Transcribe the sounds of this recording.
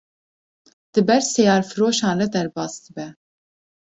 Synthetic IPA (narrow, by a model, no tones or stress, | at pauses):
d̪̥ɨbɛɾsɛjɑːɾfɨɾoːʃɑːnrɛd̪ɛɾbɑːsd̪ɨbɛ